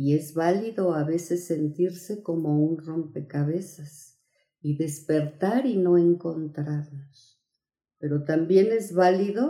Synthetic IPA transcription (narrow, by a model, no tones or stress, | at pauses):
ie̞zβaliðo̞aβe̞se̞sːe̞nt̪iɾse̞ko̞mo̞unro̞mpe̞kaβe̞sas | iðe̞spe̞ɾt̪aɾino̞e̞ŋko̞nt̪ɾaɾnos | pe̞ɾo̞t̪ambje̞ne̞zβaliðo̞